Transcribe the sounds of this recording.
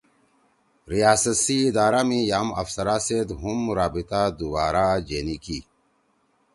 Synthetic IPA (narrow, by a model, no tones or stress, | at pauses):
ɾijaːsəsiːd̪aːɾamijaːmɐ̰fsɐɾaːsed̪ɦumɾaːbit̪ad̪ubaːɾad͡ʑeːniki